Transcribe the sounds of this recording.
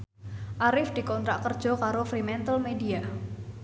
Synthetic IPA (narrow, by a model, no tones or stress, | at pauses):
ʔaɾɪfd̪̥i̤kɔnt̪ɾaʔkərd̥ʒ̥ɔ̤kaɾofɾimɛnt̪əlmedia